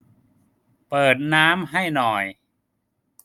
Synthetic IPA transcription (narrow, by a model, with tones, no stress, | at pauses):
pɤː˨˩t̪̚naː˦˥mɦa˥˩jnɔː˨˩j